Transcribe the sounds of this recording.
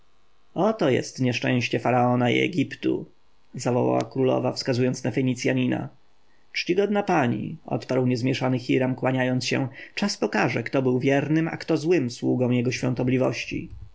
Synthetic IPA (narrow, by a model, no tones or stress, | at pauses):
ɔt̪ɔjɛ̰st̪ɲɛʂt͡ʂɛ̰̃w̃ɕt͡ɕɛfaɾaɔnaḭɛ̰ɡʲipt̪ṵ | zavɔwa̰wa̰kɾulɔ̰vafskazujɔnt̪snafɛɲit̪sʲjaɲina̰ | t͡ʂt͡ɕiɡɔd̪̚napaɲḭɔ̰t̪paɾwɲɛzmʲjɛʂanɘxʲiɾamkwaɲajɔnt̪sɕɛ̰t͡ʂaspɔkaʐɛkt̪ɔbɘwvʲjɛɾnɘma̰kt̪ɔzwɘmswuɡɔ̃w̃jɛɡɔɕfʲjɔ̰̃nt̪ɔblʲivɔ̰ɕt͡ɕḭ